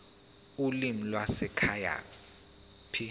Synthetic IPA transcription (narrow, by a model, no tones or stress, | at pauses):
ulim̩lwasɛkʰaja̰ | pʰi